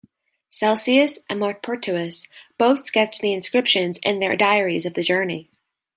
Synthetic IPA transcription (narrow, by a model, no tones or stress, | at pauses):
sɛlˠsiɨsʔɨ̃nmɔɹt̚pʰɔɹt͡ʃʰʉɨsb̥oʊθskɛt͡ʃðiɨ̃nskɹɪpʃɨ̃nzɨ̰̃nðə̰˞daɪə˞izʌvðɨd͡ʒɜ˞nḭ